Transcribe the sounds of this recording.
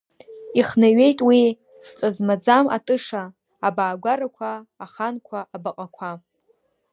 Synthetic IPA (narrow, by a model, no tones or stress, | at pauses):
iχnaɥe̞jtʼwi | t͡sʼazmad͡zama̰tʼɨʂaː | baːɡʷaɾakʷʰaːχankʷʰaʔːbaqʼakʷʰa